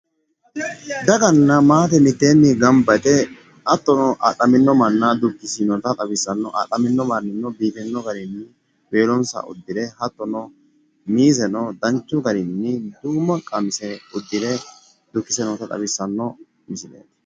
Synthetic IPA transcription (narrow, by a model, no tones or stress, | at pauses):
d̪ɐɡɐnːɐmaːt̪ɛmɪt̪ːeːnːɪɡɐmbɐt̪ɛ | ʔɐt̪ːɔnɔʔɐ̰ɗɐmɪnːɔmɐnːɐd̪ʊkːɪsɪnɔt̪ɐt̪ʼɐbɪsːɐnːɔʔɐ̰ɗɐmɪnːɔmɐnːɪnːɔbiːfɛnːɔɡɐɾɪnːɪ | be̞ːlɔnsɐ̰ʔʊ̰d̪ːɪd̪ɛhɐt̪ːɔnɔ | miːzɛnɔd̪ɐnt͡ʃːʊɡɐɾɪnːɪd̪uːmːɐkʼɐmɪsɛʊd̪ːɪd̪ɛ | d̪̥ʊkːɪsɛnɔt̪ɐt̪ʼɐ̰bɪsːɐnːɔ | mɪsɪnḛːt̪ːɐ̥